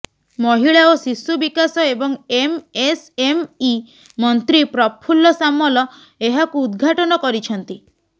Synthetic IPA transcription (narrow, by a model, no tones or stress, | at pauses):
mɔɦiɭaosisːubikasɔebɔŋemesemi | mɔnt̪ɾipɾɔpʰulɔsamɔlɔ | eɦakuːd̪ɡʱaʈɔnɔkɔɾit͡ʃʰɔnt̪i